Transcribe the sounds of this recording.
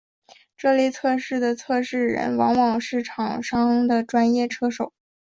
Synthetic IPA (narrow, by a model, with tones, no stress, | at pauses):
ʈ͡ʂɤ˥˧li˥˧t͡sʰɤ˥˧ʂɻ̩˥˩d̪ə˩t͡sʰɤ˥˧ʂɻ̩˥˩ɻə̰˧˥nwɑ˧˥ŋwɑ˨˩ŋʂɻ̩˥˩ʈ͡ʂʰɑ˨˩ŋʂɑ˥ŋd̪ə˨ʈ͡ʂwa˥njɛ˥˩ʈ͡ʂʰɤ˥ʂo˨˩˦ʊ